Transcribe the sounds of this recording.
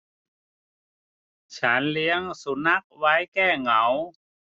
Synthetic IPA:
t͡ɕʰa˦˥nli˧˦əŋsu˧˦na˦˥˩k̚wa˧˥jkɛː˥˩ŋa˩˦w

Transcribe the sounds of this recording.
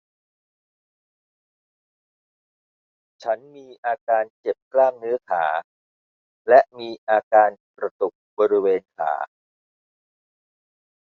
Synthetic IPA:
t͡ɕʰa˦˥nmiː˧ʔaː˧kaː˧nt͡ɕe˨˩p̚klaː˥˩mnɯ˦˥ɐkʰa̰ː˩˦ | lɛ˦˥ʔmiː˧ʔaː˧kaː˧nkɾa˧t̪u˨˩k̚bɔː˧ɾi˦˥weː˧nkʰa̰ː˩˦

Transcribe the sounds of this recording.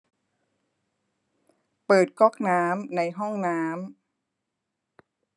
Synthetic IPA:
pɤː˨˩t̪̚kɔː˦˥˩k̚naː˦˥mna˧jɦɔ˥˩ŋnaː˦˥m

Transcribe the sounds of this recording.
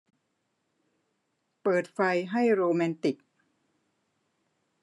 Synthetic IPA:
pɤː˨˩t̪̚fa˧jɦa˥˩jɾoː˧mɛː˧nt̪i˨˩k̚

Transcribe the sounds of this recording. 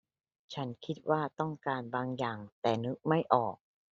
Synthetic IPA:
t͡ɕʰa˦˥nkʰi˦˥t̪̚waː˥˩t̪ɔ˥˩ŋkaː˧nbaː˧ŋjaː˨˩ŋt̪ɛː˨˩nɯ˦˥k̚ma˥˩jʔɔː˨˩k̚

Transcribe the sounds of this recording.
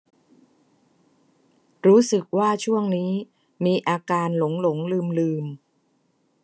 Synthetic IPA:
ɾuː˦˥sɯ˨˩k̚waː˥˩t͡ɕʰu˥˩əŋniː˦˥ | miː˧ʔaː˧kaː˧nlo˩˦ŋlo˩˦ŋlɯː˧mlɯː˧m

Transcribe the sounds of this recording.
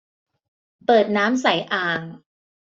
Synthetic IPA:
pɤː˨˩t̪̚naː˦˥msa˨˩˦jʔaː˨˩ŋ

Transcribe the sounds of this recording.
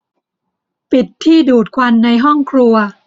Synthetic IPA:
pi˨˩t̪ʰːiː˥˩duː˨˩t̪̚kʰwa˧nːa˧jɦɔ˥˩ŋkʰɾu˧ɐ

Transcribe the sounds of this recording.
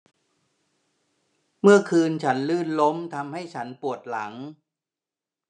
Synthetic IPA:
mɯ˥˩ɐkʰɯː˧nt͡ɕʰa˦˥nlɯː˥˩nlo˦˥mt̪ʰa˧mha˥˩jt͡ɕʰa˦˥npu˨˩ət̪̚la˩˦ŋ

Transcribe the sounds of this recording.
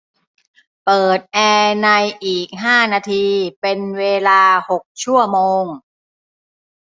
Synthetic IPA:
pɤː˨˩t̪̚ʔɛː˧na˧jʔiː˨˩k̚ɦaː˥˩naː˧t̪ʰiː˧pe˧nweː˧laː˧ho˨˩k̚t͡ɕʰu˥˩ɐmoː˧ŋ

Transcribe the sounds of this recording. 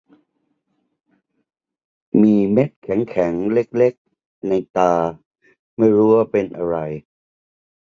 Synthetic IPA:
miː˧me˦˥t̪̚kʰɛ˩˦ŋkʰɛ˩˦ŋle˦˥˩k̚le˦˥k̚ | na˧jt̪aː˧ | ma˥˩jɾuː˦˥waː˥˩pe˧nʔa˧ɾa˧j

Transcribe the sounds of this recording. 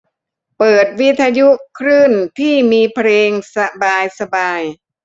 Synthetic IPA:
pɤː˨˩t̪̚wi˦˥t̪ʰːa˧ju˦˥kʰɾɯː˥˩nt̪ʰiː˥˩miː˧pʰɾeː˧ŋsa˧baː˧jsa˧baː˧j

